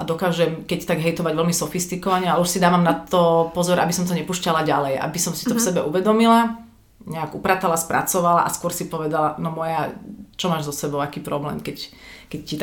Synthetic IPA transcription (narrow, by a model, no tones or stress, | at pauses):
ʔad̪ɔkaːʒɛmkɛct̪aɡɦɛjt̪ɔʋaɟʋɛlmisɔfist̪ikɔʋaɲɛalɛuʃsid̪aːʋamnat̪ɔpɔzɔɾʔa̰bisɔmt̪ɔɲɛpuːʃcalaɟalɛjʔa̰bisɔmsi̥t̪ɔfsɛbɛʔuʋɛd̪ɔmila | ɲɛaɡupɾaːt̪alaspɾa̰t͡sɔʋala̰ʔaskʊɔɾsipɔʋɛd̪alanɔmɔjat͡ʃɔmaːʒzɔsɛbɔʊakiːpɾɔblɛ̰ːmkɛckɛccːit̪